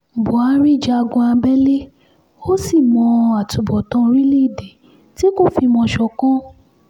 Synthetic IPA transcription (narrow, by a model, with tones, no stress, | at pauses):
bu˨a˧˦ɾi˦˨d͡ʒa˧a˧ɡɔ̃˧ã˧bɛ˦le˦ | o˦si˦˨mɔ̃˧a˨tu˨bɔ˨tɔ̃˧˦˧ɾi˦li˦˨de˨ | ti˦ko˦fi˧mɔ̃˧ʃɔ˧kɔ̃˦